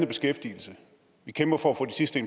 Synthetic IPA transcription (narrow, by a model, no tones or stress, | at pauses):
nəb̥e̝sɡ̥efd̥ḭːl̩sə | ʋikʰemb̥ɐfɒ̽æfɔ̽ːdisisd̥əenm